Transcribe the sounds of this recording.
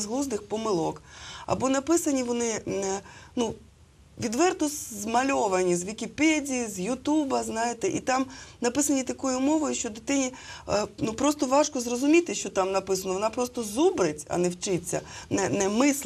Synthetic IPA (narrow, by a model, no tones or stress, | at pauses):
zɦlˠuzd̪ɪxpɔmɪlˠɔkɐ̰bɔnɐpɪsɐnʲiʋɔnɪ | nu | ʋʲid̪ʋɛrt̪ʊszmɐlʲɔʋɐnʲizʋʲikʲipɛdʲijizjʊt̪ubɐznɑjɪt̪ɛʔit̪ɑmnɐpɪsɐnʲit̪ɐkɔjʊmɔʋɔjʊʃt͡ʃɔd̪ɪt̪ɪnʲinupɾɔst̪ɔʋɑʃkɔzrɔzʊmʲit̪ɪʃt͡ʃɔt̪amnɐpɪsɐnɔʋɔnɑpɾɔst̪ɔzubɾɪtʲɐ̰nɛwt͡ʃɪt͡sʲːɐ̰nɛnɛmɪs